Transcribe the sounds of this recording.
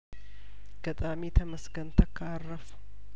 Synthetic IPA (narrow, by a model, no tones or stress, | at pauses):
ɡ̥ət̪ʼamit̪ʰəməsɡənt̪ʰəkʰːaarːəfu̥